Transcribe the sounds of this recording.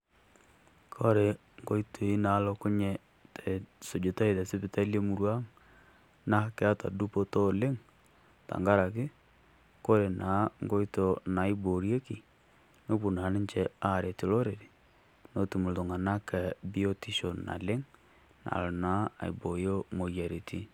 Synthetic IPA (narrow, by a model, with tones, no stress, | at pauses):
kʰɔ˦ɾe˨ | ŋɡo˦i˦to˨i˦na˨˦lɔ˦kʊ˦ɲɛ˨ | tʰɛ˨so˨d͡ʒo˨ta˦i˨tɛ˨sɪ˦pɪ˨ta˦lje˦mu˨ɾwa˦ŋ | na˦kɛ˦a˦ta̰˨du˦po˦to˦˨le˦ŋ | ta̰˨ŋɡa˦ɾa˨kɪ˦ | ko˦ɾe˨naː˨˦ŋɡo˦i˦to˨na˨˦i˦bo˨ɾje˦ki˨ | no˦pu˨na˨nɪ˦nt͡ʃɛ˨a˦˨ɾe˨ti˨lo˦ɾe˨ɾi˨ | no˦tu˨mu˨lto˨ŋa˨na˦kɛ˨bi˦o˦ti˦ʃo˨na̰˨lɪ˦ŋ | na̰˨lɔ˨na˨˦a̰˨i˨bo˨jo˦mo˨ja˨ɾe˨ti˦